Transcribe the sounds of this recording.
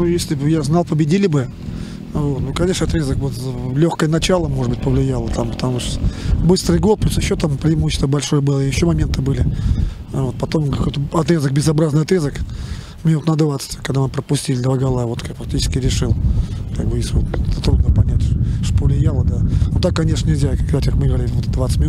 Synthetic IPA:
nujesʲlʲɪjaznɑlˠpəbʲɪdʲilʲɪbɨ | vo̞t̪nukɐnʲe̞ʂnəɐt̪ɾʲezəkvot̪zlʲoxkəjənɐt͡ɕalˠəmoʐɨd̪bɨtʲpəvlʲɪjalˠət̪ampə̥t̪ɐmuʂt̪bɨst̪ɾɨjɡo̞l̚ˠplʲusjɪɕːot̪ampɾʲɪɪmuɕːɪ̥st̪vəbɐlʲʂo̞jəbɨlˠəɪjɪɕːo̞mɐmʲe̞nt̪ɨbɨlʲɪ | vo̞t̪̚pɐt̪o̞mkɐko̞jt̪əɐt̪ɾʲezək̚bʲɪzɐbɾaznɨɪjɐt̪ɾʲezək | mʲɪnut̪nəd̪vat̪sə̥t̪ʲkːɐɡd̪anpɾəpʊsʲtʲilʲɪd̪vaɡɐlˠavo̞t̪kakfɐk̚tʲit͡ɕɪ̥skʲɪɾʲɪʂɨlˠkaɡ̚bɨjeslʲɪvot̪ɛt̪ət̪ɾud̪nəpɐnʲætʲʂt̪opəvlʲɪjalˠəd̪anut̪akːɐnʲeʂnənʲɪlʲzʲakɐɡd̪atʲkakmɨɡəvɐɾʲilʲɪvot̪d̪vat̪sətʲmʲɪnut̪

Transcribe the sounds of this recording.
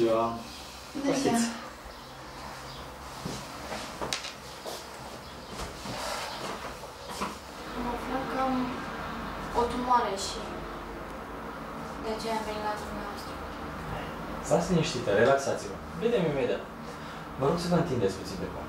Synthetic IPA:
ia | isʲ | məflakəm | ot̪umoaɾeʃi | d̪eat͡ʃejamenilad̪umevost̪ɾə | zasniʃt̪it̪əɾelaksat̪sivə̰ | bed̪emimed̪ia̰t̪ | vəɾoɡsəvəɨnt̪ind̪esʲput̪sind̪eko̰m

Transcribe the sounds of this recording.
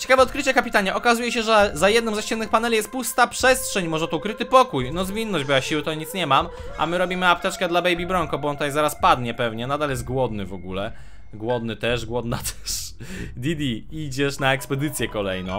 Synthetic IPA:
t͡ɕɛ̥kavɛɔt̪̚kɾɘt͡ɕɛkapʲit̪aɲɛʔɔkazujɛɕɛʐɛzajɛd̪nɔ̃mzaɕt͡ɕɛnːɨxpanɛlʲijɛst̪̚pust̪apʂɛstʂɛɲmɔʐɛt̪ɔukɾɘt̪ɘpɔkujnɔzvʲinːɔʑd͡ʑbɨwaɕiwɘt̪ɔɲit̪sɲɛmam | ʔa̰mɘɾɔbʲimɘap̚t̪ɛt͡ʂkɛd̪labɛjbʲibɾɔŋkɔbɔɔnt̪ajzaɾaspad̪ɲɛpɛvɲɛnad̪aljɛs̬t̪̚ɡwɔd̪nɘvɔɡulɛ | ɡwɔd̪nɘt̪ɛʂɡwɔd̪nat̪ʰɛ̥ʂ | d̪ʲid̪ʲiid͡ʑɛʂnaɛkspɛd̪ɘt̪sʲjɛkɔlɛjnɔ̃w̃

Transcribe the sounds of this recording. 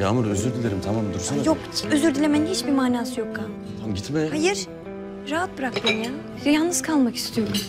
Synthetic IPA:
jaːmɯɾøzyɾd̪ilʲeɾimt̪ʰamamd̪uɾsajokʰiøzyɾd̪ilʲemɛænd̪ʲɛhit͡ʃbimaːnaːsɯjo̞kːa | t̪ʰanɟit̪mɛhajɯɾ̥ | ɾaɦat̪̚bɯɾak̚t̪ʰɯnja | jalnnɯz̥kʰalˠmaki̥st̪ʰijo̞ɾum

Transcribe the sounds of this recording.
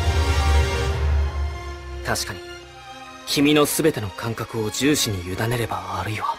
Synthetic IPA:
t̪aɕi̥kaɲ̟i | kʲʰimʲino̞sɨbe̞t̪e̞no̞kʰãŋkakɯ̟o̞d͡ʑɨːɕiɲ̟ijɯ̟d̪ane̞ɾe̞baβaɾɯ̟iβa

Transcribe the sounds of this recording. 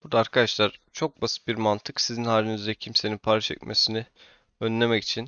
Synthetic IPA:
b̥ud̪aːɾkʰad̪aʃlˠaɾ̥t͡ʃʰo̞k̚basɯ̥t̪̚biɾmant̪ʰɯksizinhaːlʲinizɾɛcʰimse̞ninpʰaɾat͡ʃʰɛ̰c̚mʔesinɪ | ønlʲe̞mɛci̥t͡ʃʰin

